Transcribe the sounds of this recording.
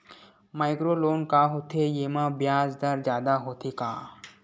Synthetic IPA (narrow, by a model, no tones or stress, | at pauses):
maːɪkɾoːloːnkaɦoːt̪ʰejeːmãːbjaːzd̪ɐɾd͡ʒjaːd̪aɦoːt̪ʰeka̰ː